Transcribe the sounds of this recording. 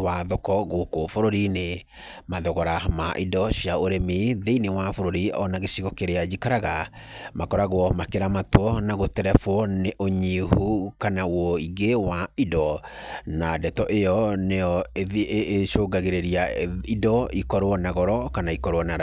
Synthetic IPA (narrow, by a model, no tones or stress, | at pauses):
waðɔkɔɣokwɔfoɾoɾine | maðɔɣɔɾamaʔidɔɕiaoɾemiðeinewafoɾoɾiɔnaɣeɕiɣɔkeɾead͡ʒikaɾaɣamakɔɾaɣwɔmakeɾamatwɔnaɣotɛɾɛfwɔneʔoɲihukanawɔiɡewaidɔnadɛtɔʔejɔneɔeðiʔeʃoɡaɣeɾeɾiaidɔikɔɾoɔnaɣɔɾɔkanaikɔɾoɔnaɾ